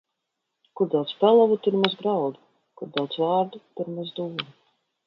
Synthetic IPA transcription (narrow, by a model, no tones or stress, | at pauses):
kuɾd̪awt̪spɛlˠavut̪uɾmazɡɾawd̪u | kuɾd̪awt̪svaːɾd̪ut̪uɾmazd̪uːɾu